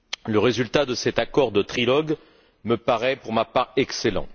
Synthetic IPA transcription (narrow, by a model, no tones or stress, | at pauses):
ləʁezylt̪ad̪əsɛt̪akɔʁd̪ət̪χilɔɡ | məpaʁɛpuʁmapaʁɛkselɑ̰̃